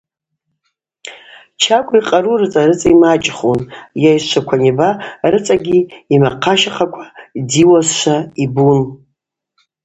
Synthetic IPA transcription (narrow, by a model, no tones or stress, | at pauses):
t͡ʃʰakʷʰʼiqʼaɾurɨt͡sʼaɾɨt͡sʼaimat͡ʃʼχonjajʃʷʰakʷʰanibarɨt͡sʼaɡʲiːmaqʰaʃaχakʷʰḁdiwazʃʷaibun